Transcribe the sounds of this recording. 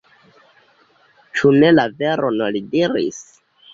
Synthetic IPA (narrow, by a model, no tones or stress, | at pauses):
t͡ʃune̞lave̞ɾo̞nolidiɾḭs